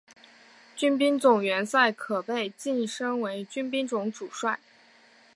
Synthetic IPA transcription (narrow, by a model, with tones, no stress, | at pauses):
t͡ɕy˥np̬i˥nt͡sʊ˨˩ŋɥɛ˧˥nsa˥˩ɪkʰɤ˨˩pe˥˩˧ɪt͡ɕi˥˧n˩ʂɤ˥ŋwe˧˥ɪt͡ɕy˥npi˥ŋʈ͡ʂʊ˧˥ŋʈ͡ʂu˨˩ʂwa˥˩ɪ